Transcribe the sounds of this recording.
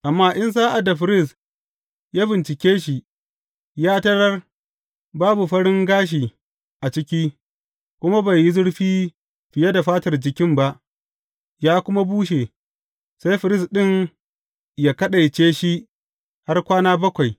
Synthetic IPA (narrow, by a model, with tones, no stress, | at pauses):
ʔa˨mːaː˦ʔɪ˦ns̬aː˦ʔa˨da˨ɸɪ˨ɾɪ˦˨s | jaː˦bɪ˨nt͡ʃɪ˨kʲeː˦ʃi˨ | jaː˦tɐ˦ɽɐ˦r | baː˦bu˨ɸɐ˦ɽɪ˦ŋɡaː˦ʃ̬iː˨ | ʔa˨t͡ʃɪ˦kʲi˦ | kʷʊ˦ma˦ba˨ji˦zʊ˦ɽɸiː˦ | ɸɪ˨je˦da˨ɸaː˦tɐ˨rd͡ʒɪ˨kʲɪ˦mba˦ʔ | jaː˦kʷʊ˦ma˦buː˦ʃe˨ | sa˦jɸɪ˨ɾɪ˦˨sɗɪ˦˨ŋ | jaː˦kɐ˦ɗa˨jt͡ʃeː˦ʃi˦ | ha˦rkʷaː˦naː˦bɐ˦kʷa˨j